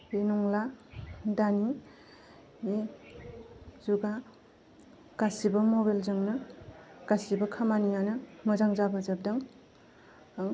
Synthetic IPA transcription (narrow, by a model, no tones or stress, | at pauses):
enɔŋladani | mi | zuɡa | ɡ̥asibɐmobalzɯŋnɯɡ̥asibɐkʰamanijanɯmɯzaŋzabazap̚daŋ | aŋ